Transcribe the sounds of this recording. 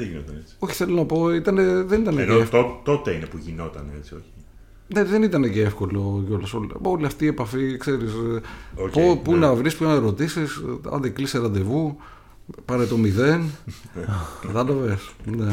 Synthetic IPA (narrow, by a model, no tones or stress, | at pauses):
ðeʝinot̪ɐnet͡si̥o̞çi̥θe̞lo̞nɐpo̞it̪ɐneðe̞nit̪ɐneneoeft̪ot̪ot̪einepuʝino̞t̪ɐ̰neet͡sioçi̥ | ne̞ðe̞nit̪ɐneceefko̞lo̞ʝoɾlɐsolo̞liɐft̪iːe̞pɐfikse̞ɾisopopuineɐvɾispuit̪ɐneɾo̞t̪isisɐ̰nd̪ekliseɾɐnd̪e̞vu | pɐɾet̪o̞miðe̞n | ðɐd̪ovesne